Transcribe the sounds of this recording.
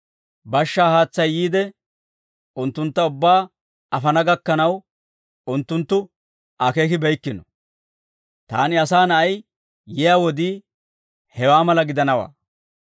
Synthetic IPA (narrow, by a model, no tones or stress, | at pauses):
bɐʃːaːhaːt͡sːɐjːiːd̪ɛ | ʔʊnt̪ːʊnt̪ːɐʊbːaː | ɐfɐnɐɡɐkːɐnɐw | ʊnt̪ːʊnt̪ːʊ | akeːkɪbɛjkːɪnɔ | t̪a̰ːnɪɐsaːnɐɐj | jɛjaːwɔd̪iː | hɛwaːmɐlɐɡɪd̪ɐnɐwa̰ː